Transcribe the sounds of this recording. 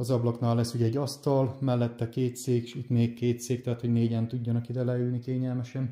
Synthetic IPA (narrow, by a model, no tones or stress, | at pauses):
ɒzɒblɒknaːlːɛsːuːɟɛɟːɒst̪ɒlmɛlːɛt̪ːɛkeːt̪seːkʃit̪meːkkeːtt̪seːk̚t̪ɛɦaːt̪ho̞ɟneːɟɛnt̪uɟːɒnɒkid̪ɛlɛylnikeːɲɛlmɛʃɛn